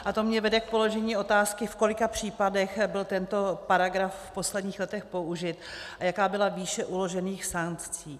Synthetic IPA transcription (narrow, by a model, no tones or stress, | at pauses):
ʔat̪omɲɛvɛdɛk̚po̞lo̞ʒɛɲiːo̞t̪aːskɪfko̞lɪkapr̥iːpadɛxbɪlt̪ɛnt̪o̞paɾaɡɾafːpo̞slɛdɲiːxlɛt̪ɛxpo̞uʒɪt̪ʔajakaːbɪlaviːʃɛʔulo̞ʒɛniːxsaŋkt͡siː